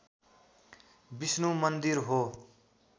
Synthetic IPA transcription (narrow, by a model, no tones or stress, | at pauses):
bisnumʌnd̪iɾɦo